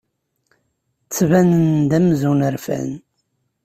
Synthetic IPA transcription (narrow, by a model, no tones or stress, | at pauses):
t͡sːvænənd̪æmzunəɾfæ̰n